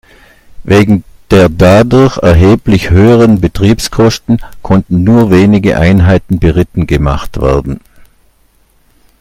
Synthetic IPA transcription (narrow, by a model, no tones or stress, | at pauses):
veːɡŋ̩d̥eːɐdadʊɐçɛɐɦeːplɪçhøːəʁənbətʁ̥iːpskʰɔstn̩kʰɔntn̩nuːɐveːnɪɡə̰ʔa̰ɪnɦaɪtn̩bəʁɪtn̩ɡəma̰χtv̥ɛ̰ɐdn̩